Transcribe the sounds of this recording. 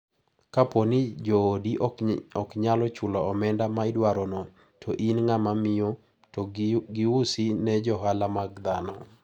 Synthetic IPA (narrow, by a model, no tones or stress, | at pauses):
kaponɪd͡ʒoːdiɔkɲalɔt͡ʃʊlɔɔmɛndamaɪdwaɾonɔ | tʰɔʔinŋamamɪo | ɡɪwusinɛd͡ʒɔɦalamaɡd̪anɔ